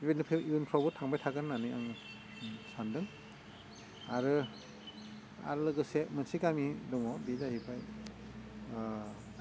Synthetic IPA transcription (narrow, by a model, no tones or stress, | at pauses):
banɯpʰeiunpʰawbɯtʰaŋbajtʰaɡɯnːanɯaŋ | sandɯŋ | aɾɯ | a̰ɾɯlɯɡɯsemɯnsiɡamidɔŋɔbizahipʰaj